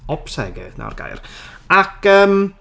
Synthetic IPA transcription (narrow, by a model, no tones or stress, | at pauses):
ɔpsɛɡɪðna̰wrɡ̥a̰jrakʰəːm